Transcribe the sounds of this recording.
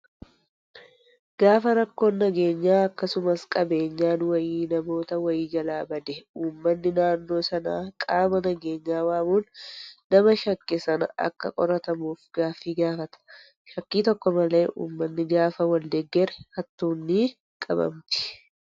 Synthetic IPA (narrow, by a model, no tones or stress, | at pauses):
ɡ̥aːfɐɾɐkːo̞ːnːɐɡe̞ːɲːaːɐkːɐsʊmɐskʼɐbe̞ːɲːaːnwɐjiːnɐmo̞ːt̪ɐwɐjiːd͡ʒɐlaːbɐd̪ɛuːmːɐnːɪnaːnːo̞ːsɐna̰ːkʼaːmɐnɐɡeːɲːaːwaːmuːnːɐmɐʃɐkːɪsɐnɐ̰ʔɐ̰kːɐ̰kʼɔɾɐt̪ɐmuːfɡaːfːiːɡaːfɐt̪ɐ̥ | ʃɐkːiːt̪ɔkːɔmɐle̞ːʔṵːmːɐnːɪɡaːfɐwɐld̪ɛɡːɛɾɛhɐt̪ːuːnːiː | kʼɐbɐ̰mt̪ɪ̥